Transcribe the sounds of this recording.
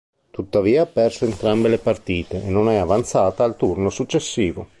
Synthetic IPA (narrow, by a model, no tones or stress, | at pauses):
t̪ut̪ːaviːapɛrsoent̪ɾambelepart̪iːt̪eʔenːonɛavant̪saːt̪aːlt̪urnosut͡ʃːesːiːvo